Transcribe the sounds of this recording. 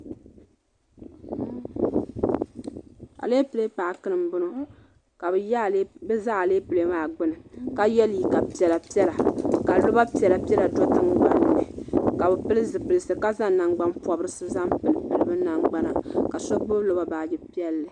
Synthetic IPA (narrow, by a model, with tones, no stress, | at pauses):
a̰˨leː˦pɨ˨le˦pa˨ʔkɨ˦nɨ˨mbʊ˦no˦ | ka˨bbɨ˦za˦ʔa˨leː˦pɨ˨le˦maː˨ɡ͡bɨ˦nɨ˨ka˦jɛ˦li˨ka˨pi˦ɛ˨la˨pi˦ɛ˦la˨ka˨lo˦ba˦pi˦ɛ˨la˨pɛ˦la˨dɔ˦tɨ˦ŋ˦ɡ͡ba˨nːɨ˨nɨ˨ka˨bɛ˨pɨ˦lɨ˦zɨ˨pɨ˨lɨ˨sɨ˨ka˦za˦ŋ˦na˨ŋɡ͡ba˦npɔ˨bɨ˦ɾɨ˦sɨ˦za˦mpɨ˨lɨ˨pɨ˨lɨ˦bɨ˦na˨ŋɡ͡ba˦na˨ka˨sɔ˦ɡ͡bɨ˦blo˦ba˦ba˨ɡɛ˦pi˦ɛ˦lːɨ˨